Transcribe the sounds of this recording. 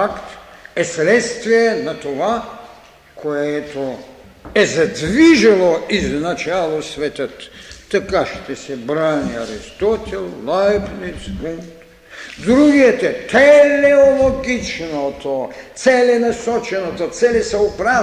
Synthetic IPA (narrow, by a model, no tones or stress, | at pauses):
akt̪ɛsɾɛt̪st̪viɛnɐt̪ova | kʰoɛt̪o | ɛzɐd̪viʒɐlˠoiznat͡ʃalˠosvɛt̪ət̪ːɐkaʃt̪ɛsɛbɾaniɐɾist̪ɔt̪ʲɛlˠlajpnisɡumt̪ | d̪ɾuɡiɛt̪ɛt̪ɛlɛolˠoɡit͡ʃnot̪ot̪sɛlɛnɐsɔt͡ʃɛnot̪ot̪sɛlɛsɐopɾa